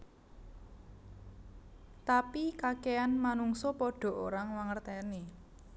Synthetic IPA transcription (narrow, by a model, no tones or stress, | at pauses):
t̪apikakeanmanuŋsɔpɔɖ̥ɔ̤ʔoɾaŋwaŋərt̪ɛni